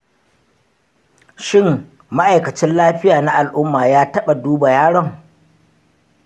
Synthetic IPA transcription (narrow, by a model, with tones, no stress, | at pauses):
ʃɪ˦m | ma˦ʔa˨jkɐ˨t͡ʃɛ˦nlaː˦ɸɪ˦jaː˨na˦ʔa˨lʔʊ˦mːaː˨jaː˦tɐ˦ɓa˨duː˦ba˨jaː˦ɽɔ˦ŋ